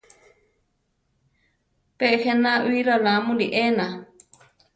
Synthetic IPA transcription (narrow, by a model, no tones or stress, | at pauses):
pehenaʔuiɾalamũliʔena